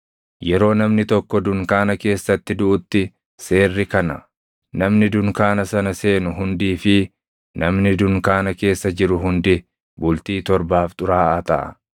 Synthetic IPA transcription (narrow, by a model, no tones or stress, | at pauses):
jɛɾo̞ːnɐmnɪt̪ɔkːɔd̪ʊŋkaːnɐke̞ːsːɐt̪ːɪd̪ʊʔʊt̪ːɪ | se̞ːrːɪkɐnɐ | nɐmnɪd̪ʊŋkaːnɐsɐnɐse̞ːnʊɦʊnd̪iːfɪ | nɐmnɪd̪ʊŋkaːnɐke̞ːsːɐd͡ʒɪɾʊɦʊnd̪ɪ | bʊlt̪iːt̪ɔɾbaːft̪ʼʊɾaːʔɐt̪ɐ̰ʔɐ̰